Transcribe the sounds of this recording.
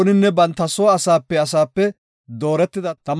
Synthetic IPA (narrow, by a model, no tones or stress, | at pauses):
nɪnːɛbɐnt̪ːɐsoːɐsaːpːɛɐs̬aːpːɛ | d̪o̞ːɾɛt̪ːɪd̪ɐt̪ɐm